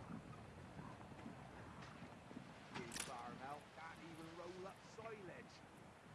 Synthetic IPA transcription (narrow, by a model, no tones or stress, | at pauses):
ɪbaːɹəmɛlˠʔɡ̥ãniːvə̃nɹoʊlˠʌpsɔɪlɪd̥